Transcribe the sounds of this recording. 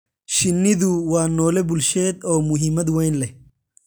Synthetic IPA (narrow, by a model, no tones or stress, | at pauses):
ʃɪnːɪd̪uwaːnːoːlɛbʊlʃeːt̪oːmʊɦɪmːɐt̪̬wɔjnlɛ